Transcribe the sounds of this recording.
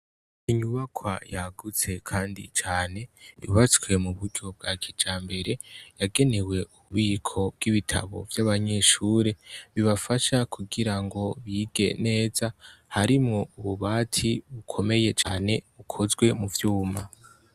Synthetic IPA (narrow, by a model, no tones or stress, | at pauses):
iɲuβakʰwa̰jaɡut͡se̞kʰaːndḭt͡ʃaːne̞jṵβat͡swe̞muβuɾɟob̚ɡakʰid͡ʒaːmbe̞ɾe̞jaɡe̞ne̞we̞uβiːkʰo̞b̚ɡ̥iβitʰa̰βo̞̰vjaβaɲe̞ʃuːɾe̞βiβafaʃakʰuɡiɾaŋɡo̞βiːɡe̞̰ne̞ːzahaɾimŋo̞uβuβaːtʰiβukʰo̞me̞je̞t͡ʃaːne̞βukʰozɡwe̞muvjuːma